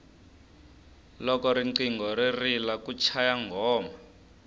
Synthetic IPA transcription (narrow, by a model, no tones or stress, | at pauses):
lɔkɔɾiǀiŋɡɔririlakut͡ʃʰajaŋɡʱɔːma